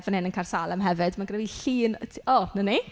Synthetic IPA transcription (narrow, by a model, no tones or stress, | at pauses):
vənɪnənkʰarsalˠəmɦɛvɨdmaɡrɛviɬiːntʰɔnəni